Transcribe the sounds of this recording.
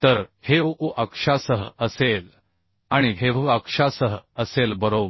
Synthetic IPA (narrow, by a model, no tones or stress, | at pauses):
t̪əɾheʋuʔəkʂasəɦəəsel | aɽ̃iɦeʋuəkʂasəɦəəselbəɾob